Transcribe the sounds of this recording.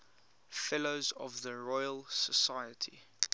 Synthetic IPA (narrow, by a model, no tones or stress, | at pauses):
fɛloʊzɔvðəɹɔɪəlˠsəsaɪətʰi